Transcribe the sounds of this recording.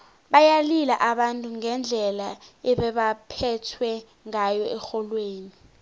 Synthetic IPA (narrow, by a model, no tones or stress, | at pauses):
ɓajalilaʔaɓantʼuŋɛnd͡ɮʱɛlaɛɓɛɓapʰɛtʰwɛ | ŋajɔɛxɔlweːni